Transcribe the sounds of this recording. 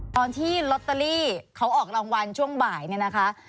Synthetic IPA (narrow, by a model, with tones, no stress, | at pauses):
t̪ɔː˧nt̪ʰiː˥˩lo˦˥t̪ːa˧liː˥˩kʰa˦˥wʔɔː˨˩k̚ɾa˧ŋwa˧nt͡ɕʰu˥˩əŋbaː˨˩jni˥˩na˦˥kʰa˦˥ʔ